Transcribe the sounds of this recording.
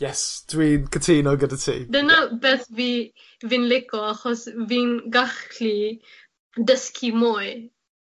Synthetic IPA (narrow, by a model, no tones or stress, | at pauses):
jɛsd̥wiːnkʰətʰiːnɔɡədətʰḭːdɛnabɛːθvi | vinlɪkɔaχɔsvinɡaχli | dəskʰimoj